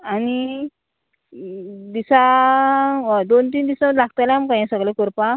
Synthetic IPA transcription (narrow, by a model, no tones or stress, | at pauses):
aɽi | d̪isa | d̪ont̪̬iːnd̪isãməd̪laɡ̚t̪ajlamkãjãsəɡlekɔɾpa